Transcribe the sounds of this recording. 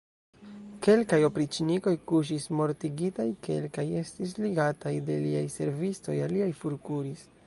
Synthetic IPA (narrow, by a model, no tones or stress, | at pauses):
ke̞lkajo̞pɾit͡ʃiniko̞jkuʃ̬ismo̞ɾtiɡitajkʰe̞̰lkaje̞stis̬liɡatajde̞liajse̞ɾvisto̞jaliajfuɾkuɾis